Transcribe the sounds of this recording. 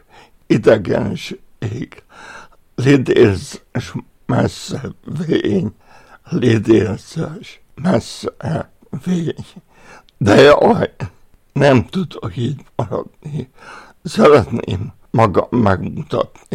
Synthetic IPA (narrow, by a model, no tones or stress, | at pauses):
id̪ɛɡɛ̰nʃeːɡ | lid̪eːlzʃ | mɛsːɛveeːɲ | lid̪elzøʃ | mɛsː | veːɲ | d̪ɛɒj | nɛmt̪ud̪okiːɟmɒɾɒ̰d̪̥ni | sɛɾɛt̪nḛːmː | ɒɡɒmːɛɡmut̪ɒt̪ni